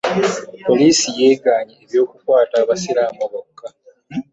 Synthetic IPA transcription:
po̞liːsijeːɡaːɲieβjo̞ːkukwaːtaːβasiɾaːmoɣokːa

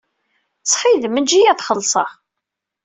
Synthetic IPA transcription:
sˤħiðəmːənd͡ʒijæθχəlːsˤɑ̰ʁ

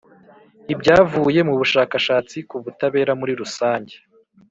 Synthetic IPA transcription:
ibɟaːvuːje̞muβuʃaːkaʃaːt͡sikuβutaβe̞ːɾamuɾiɾusaːɲɟe

